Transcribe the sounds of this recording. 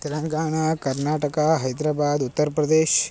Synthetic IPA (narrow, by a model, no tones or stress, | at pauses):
t̪elə̃ŋɡaːɽ̃akəɾnaʈəkaɦəjd̪ɾabad̪ut̪ːəɾpɾəd̪eʃ